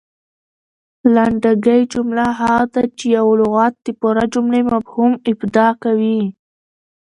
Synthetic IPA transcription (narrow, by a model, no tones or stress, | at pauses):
laɳɖaɡəjd͡ʒʊmlaɦaɣad̪at͡ʃejawlʊɣɑt̪̚d̪̥epʊɾad͡ʒʊmlemafhumɪbd̪ɑkawi